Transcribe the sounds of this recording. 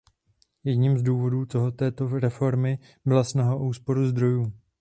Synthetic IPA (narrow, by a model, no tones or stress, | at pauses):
jɛdɲimzduːvo̞duːt̪oɦot̪ɛːt̪o̞ɾɛfo̞ɾmɪ | bɪlasnaɦaʔuːspo̞ɾuzd̪ɾo̞juː